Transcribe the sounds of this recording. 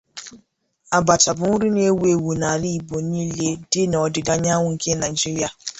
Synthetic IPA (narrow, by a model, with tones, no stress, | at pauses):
a˨ba˨ta˨bʊ˨ŋʷʊ˦ɾi˦n˦e˦we˨wu˨na˨li˦˨bo˨n˦i˦le˦dɪ˦nɔ˨dɪ˨da˦ɲa˦ŋʷʊ˦˨ŋ̩˨ke˦na˨i˨d͡ʒi˦ɾi˦a˨